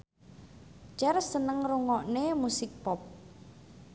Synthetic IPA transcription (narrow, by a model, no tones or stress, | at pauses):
t͡ʃɛrsənəŋruŋɔʔnemusɪk̚pɔp̚